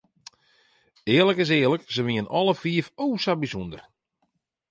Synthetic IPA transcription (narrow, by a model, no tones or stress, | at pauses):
ɪːərləkɪs̬ɪːərləksəʋiənʔɔlˠəfiəfoːsabisundər